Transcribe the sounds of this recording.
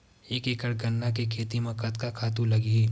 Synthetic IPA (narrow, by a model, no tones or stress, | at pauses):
eːkekəɽɡɐnːakekʰeːt̪imẽkɐt̪kakʰaːt̪ũlɐɡiɦɛː